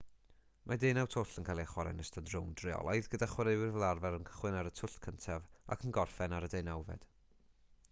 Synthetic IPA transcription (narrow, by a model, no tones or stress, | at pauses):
mʔadejnawtʰoɬənkʰaːlˠiaχwaɾɛ̰nəstəndrʊwndrɪɔ̰lˠɔjðɡədaχwaɾewɪrvɛlˠarvɛɾənkʰə̥χwɨnaɾətʰʊɬtkʰəntʰava̰kʰənɡɔrfɛnaɾədejnawvɛ̰d̥